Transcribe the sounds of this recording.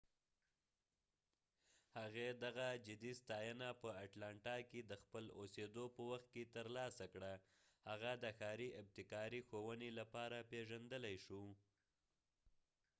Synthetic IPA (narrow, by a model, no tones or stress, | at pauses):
haɣed̪aɣad͡ʒɪd̪ist̪ɑjənapəaʈlɑɳʈɑked̪əxpəlo̰sed̪opəwaxt̪̚ket̪əɾlɑsakɽa | haɣad̪əxɑɾiʔɪb̚t̪ɪkɑɾixowənelapɑɾapeʒand̪əlajʃu